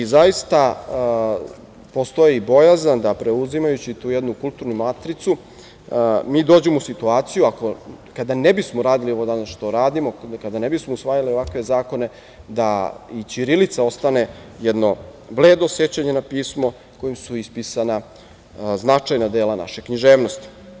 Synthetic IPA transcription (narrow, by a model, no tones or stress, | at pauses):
izajist̪a | po̞st̪o̞jiːbo̞jazand̪apɾe̞uzimajut͡ɕit̪uːjed̪nukulˠt̪uɾnumat̪ɾit̪su | miːd̪o̞ːd͡ʑemousit̪uaːt̪sijuako̞kad̪anebismoɾaːd̪ilio̞ʋod̪anasʃt̪o̞ɾaːd̪imo̞kad̪anebismousʋaːjalio̞ʋakʋe̞zaːko̞ne̞ | d̪ait͡ɕiɾilit̪sao̞st̪ane̞jɛd̪no̞bleːd̪osje̞t͡ɕaɲe̞napiːsmo̞ | ko̞jimsuispisana | znat͡ʂajnad̪e̞ːlana̰ʃe̞kɲiʒeːʋnost̪i̥